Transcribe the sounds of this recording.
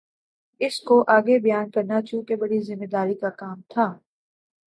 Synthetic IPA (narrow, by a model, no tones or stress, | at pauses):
ɪskoʔaːɡebɐjaːnkɐɾnat͡ʃũːkebɐɽizɪmːeːd̪aːɾikakaːmt̪ʰaː